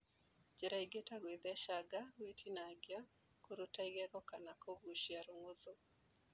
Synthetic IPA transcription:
d͡ʒɛɾaiɡetaɡwid̪ɛʃaɡawitʰinaɡja | koɾotaiɡaɡɔkanakɔɡuʃjaɾoŋoðo

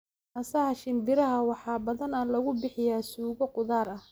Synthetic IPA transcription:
ʔɐsɐhɐʃɪnb̪ɪɾɐɦɐwɑħɑːbɐðɐnɐlɐɣʊbɪħɪjaːsuːɣɔqʊðaːɾɐ

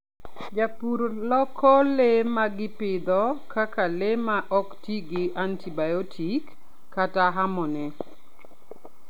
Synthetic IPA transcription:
d͡ʒapuɾlɔkʰɔlemaɡɪpɪd̪ɔkakalemaʔɔktiɡɪʔantibajɔtʰikː | ataɦamɔnɛ

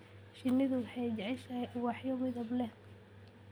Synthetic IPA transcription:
ʃɪnːɪðʊwħɛjd͡ʒɐʕɪʃawɑħjɔmɪðɐblɛ

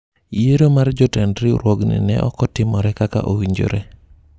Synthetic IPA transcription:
jeɾomard͡ʒɔtɛndɾɪɾwoɡnḭnɛ̰ʔɔ̰kɔtɪmɔɾɛkaka̰ʔowiɲd͡ʒo̰ɾe

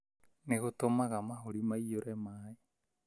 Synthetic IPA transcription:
neɣotomaɣamaɦoɾimaijoɾɛmaːe

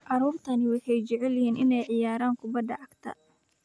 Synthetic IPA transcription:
ʔɑɾuːbt̪ʰɐnɪwɑjħɛjt͡ʃɛʕɛljɪhiːnɪnɛjʕɪjaːɾaːŋkʰʊbɐd̪ɐʔɐɡt̪ʰɐ̰

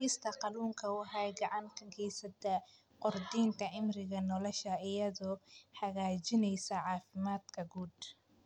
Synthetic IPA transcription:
ɪst̪ʰɐqɑluːŋkʰɐwħɑjɡɑʕɑŋkʰɐɡʰɛjsɐt̪ʰɐ | qʊrd̪iːnt̪ʰɐʕɪmrɪɣɐnɔlɔʃɐɪjɐðɔːħɐɣaːt͡ʃɪnɛjsɐʕɑːfɪmaːd̪kʰɐɡuːd̪

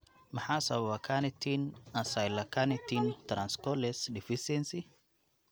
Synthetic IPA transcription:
mɐħasɐwwakʰanit̪ʰinasajlakʰanit̪ʰint̪ɾanskɔlɛsdifisɛnsi

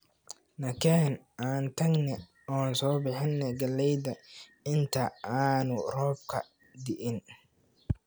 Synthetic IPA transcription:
nɐkʰɛːn | aːnt̪ʰɐɡnɛ | ɔːnsɔːbɪħɪnːɛɡɐlɛjd̪ɐɪnt̪ʰɐaːnʊrɔːb̚kʰɐ̰ | d̪ɪʔɪn

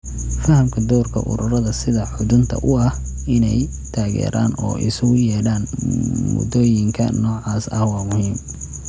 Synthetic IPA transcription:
fɐhɐmkʰɐd̪ɔːrkʰɐ̰ʔʊ̰ɾʊrɐðɐsɪðɐħʊðʊnt̪ʰɐ̰ʔʊɐh | ɪnɛj | t̪ʰaːɣɛ̰ːɾʔa̰ːnɔ̰ːʔɪ̰sɐɣʊjɛːɽaːnmmʊ̰d̪ɔːjɪŋkʰɐ̰nɔːʕɑːsɐhwɑːmʊhiːm

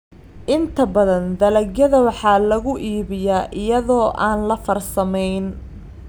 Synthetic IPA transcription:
ʔɪnt̪ʰɐbɐðɐnd̪ɐlɐɡjɐðɐwɑħɑːlɐɣʊʔiːβɪjaːʔɪjɐðɔːʔaːnlɐfɐrsɐmɛjn

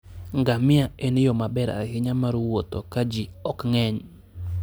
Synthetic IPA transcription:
ŋɡamɪaenɪjɔmabɛɾa̰hɪɲamaɾwot̪okad͡ʒiɔkŋɛɲ

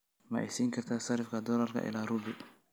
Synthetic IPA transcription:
mɐʔɛ̰siːŋkʰɐrt̪ʰaːsɐɾɪfkʰɐd̪ɔlɐrkʰɐ̰ʔɪ̰laːrubɪ

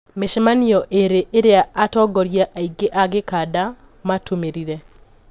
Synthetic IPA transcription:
meʃmaniɔʔeɾeʔɪɾeaʔatɔɡɔɾjaʔaiɡeʔaɡɪkada | matumeɾiɾe

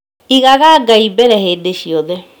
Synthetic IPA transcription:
iɣaɣaɡaibɛɾɛhedeʃiɔðe

